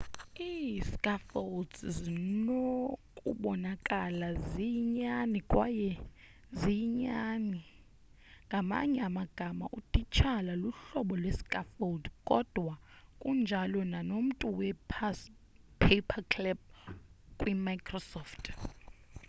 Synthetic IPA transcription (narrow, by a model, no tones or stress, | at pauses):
iskʼafoldzinokʼṵɓɔnakʼalaziɲanikʼwajɛ | ziɲani | ŋɡʱama̰ɲɛamaɡ̥ʱama̰ʔutʼit͡ʃʰalaluɬɔɓɔlwɛskʼafoldkʼɔd̥ʱwakʼund͡ʒʱalɔnanom̩tʼuwɛpʰas | pʰepʰakʰlɛb̚ | kʼwimakʰʼrɔsɔftʰ